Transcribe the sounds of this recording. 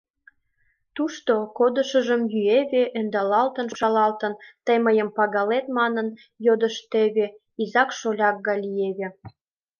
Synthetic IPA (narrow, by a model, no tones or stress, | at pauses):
t̪uʃt̪okod̪əʃəʒəmjyeβeʔend̪ɑlɑlt̪ə̆nʃɑlɑlt̪ənt̪əjməjəmpɑɣɑlet̪mɑnən | jod̪əʃt̪eβe | izɑkʃolʲɑk̚ɡɑlieβe